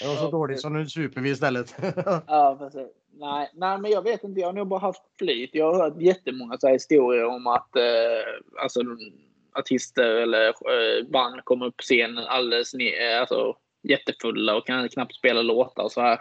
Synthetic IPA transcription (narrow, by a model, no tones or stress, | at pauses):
ɔsɔd̪oːɭɪsɔmd̪ʉsʉːpəʋiɪst̪ɛlːət̪ɑːpɛsi | næɪnæɪmɛnjɑːɡveːt̪ɪnt̪əjɑːhaɾnuːɡ̚bɑːɾaɦaft̪flyːt̪jɑːhaɾhœːʈjɛt̪ːəmɔŋːasʊhæːɾhɪst̪uːɾɪəɾɔmat̪ | a̰lsɔd̪ | aʈʰɪst̪əɾɛlːəɾvanːkʰɔmːəɾɵpʰːɔ̥seːnənʔa̰ld̪ɛsnɪalsɔ̰ | jɛt̪ːəfɵlːaɔkʰːanɪəkʰnap̚t̪speːlaloːt̪a̰ɾɔsɔd̪æːɾ